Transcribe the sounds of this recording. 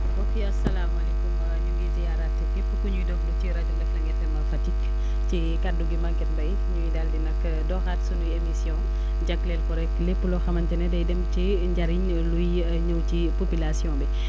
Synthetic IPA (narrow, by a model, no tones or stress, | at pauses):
okeɐsɐlaːmɐlɛkumɐɲuɡizijaɾatːɛkepːukuɲujdɔkduciɾɐd͡ʒuɡɐflɐŋɡɛfɛmɐfɐtik | ci | kaduɡimɐɡɛt̚bɐj | ɲujidaːldinɐk | dɔːxatsunujemisjɔ̃ | ɟɐklɛlkɔɾɛkklepːulɔxɐmɐntɛnɛdɐjdɛmt͡ʃi | ɲɟaɾiɲ | luj | ɲɐwcipopilasjɔ̃ːbɛ